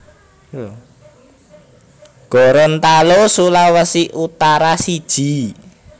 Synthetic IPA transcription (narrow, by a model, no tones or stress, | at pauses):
jo | ɡ̥ɔ̤ɾɔnt̪alosulawəsiʔut̪aɾasid̥ʒ̥i̤